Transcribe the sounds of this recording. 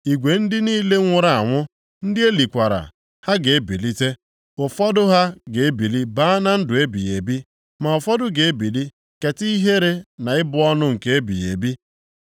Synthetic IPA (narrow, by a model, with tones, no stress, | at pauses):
i˨ɡʷe˨n̩˦dɪ˦niː˦le˦ŋʷʊ˦ɾa˨a˨ŋʷʊ˦ | n̩˦dɪ˦e˦li˨kʷa˨ɾa̰˨ | ha˦ɡe˨e˦bi˨li˦te˦ | ʊ˨fɔ˦dʊ˦ɦa˦ɡe˨e˦bi˨li˦ba˦na˦n̩˦dʊ˨e˦bḭ˨jḛ˨bi˦ | ma˨ɔ˨fɔ˦dʊ˦ɡe˨e˦bi˨li˦ | ke˨ti˦i˦ɦe˦ɾe˨na˨ɪ˦bʊ˦ɔ˦nʊ˦ŋ̩˨ke˦e˦bḭ˨jḛ˨bi˦